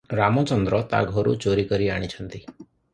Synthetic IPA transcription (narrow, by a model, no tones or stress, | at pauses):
ɾamɔt͡ʃɔnd̪ɾɔt̪a̰ɡʱɔɾṵt͡ʃoɾikəɾiaɽ̃it͡ʃʰənt̪i